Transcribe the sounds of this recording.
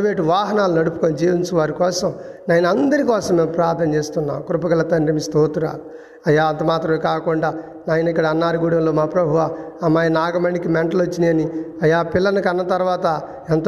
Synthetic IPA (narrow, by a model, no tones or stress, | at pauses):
ʋeːʈuʋaːɦɐnaːlunɐɽupu̥koːnid͡ʒiːʋɐnt͡ʃɐʋaːɾikɔːsɐmnaːjɐnɐnd̪ɐɾikɔːsɐmːeːmpɾaːɾd̪nɐmt͡ʃeːst̪unːa̰ːmkɾupɐɡɐlɐt̪ɐnɾɐmist̪oːt̪uɾa̰ːlu | ɐjːaːɐnt̪ɐmaːt̪ɾɐmkaːkuɳɖaː | naːjɐnikːɐɽɐɐnːaːɾuɡuːɽɐmloːmaːpɾɐbʱuʋaː | ɐmaːjɐnaːɡɐmɐɳɖikimeɳʈɐlot͡ʃːiniɐniɐjːaːpilːɐnukɐnːɐt̪ɐɾʋaːt̪ɐ | ent̪